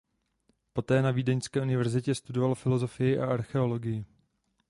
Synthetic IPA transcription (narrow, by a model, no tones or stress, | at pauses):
po̞t̪ɛːnaviːdɛɲskɛːʔunɪvɛɾzɪcɛst̪udo̞valfɪlo̞zo̞fɪjɪʔaʔaɾxɛo̞lo̞ɡɪjɪ